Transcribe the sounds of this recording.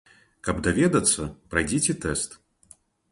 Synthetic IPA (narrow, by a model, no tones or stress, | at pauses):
kɐbd̪avʲɛd̪ɐt̪sːɐpɾajd͡zʲɛt͡sʲɛt̪ɛst̪